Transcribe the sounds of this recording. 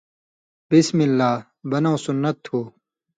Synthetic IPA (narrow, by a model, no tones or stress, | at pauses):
bismilːaː | bɐnõːsunːɐt̪ʰːhuː